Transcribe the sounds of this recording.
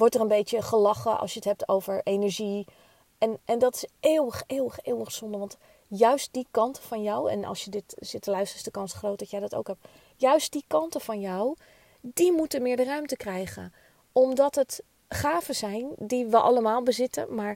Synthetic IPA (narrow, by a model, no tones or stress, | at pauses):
ʋɔɹtərənbejtjəχəlɑχəʔɑ̰lˠsjəətɦɛp̚tʰo̰wvəɹejnɛɹʒi | ʔɛnʔɛndɑtɪ̥seːwəχeːwəχeːwəχsɔndəʋɑnt | jœɥst̚dikɑntəfɑnjɔwɛ̰nɑ̰lˠʃjədɪtz̥ɪtdəlœɥstəɪsdəkɑnsχrowt̚dɑtjɛjdɑto̰wkɦɛp̚ | jœɥst̚d̥ikɑntəfɑnjaw | dimutəmɪːɹdərœɥmtəkrɛjχə̰n | ɔmdɑtɦət | χaːvəzɛjndiʋəʔɑ̰ləmaːlˠbəzɪtə̰maːɹ